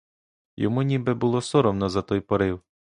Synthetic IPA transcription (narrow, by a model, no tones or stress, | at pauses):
jɔ̰munʲibɛbʊlˠɔsɔɾɔmnɔzɐt̪ɔjpɔɾɪw